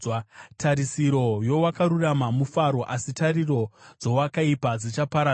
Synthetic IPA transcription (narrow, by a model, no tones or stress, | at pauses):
tʰaɾisiɾo̞jo̞wakaɾuramamufaɾo̞ʔasitariro̞d͡zo̞wakaipad͡zit͡ʃapaɾa